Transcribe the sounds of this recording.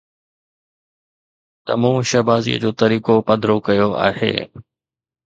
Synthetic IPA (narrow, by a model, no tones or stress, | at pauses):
t̪ɐ̰mũːʃɐbaːzḭːə̰d͡ʑoːt̪ɐɾiːkopɐd̪ɾokɐjoa̰ːɦḛː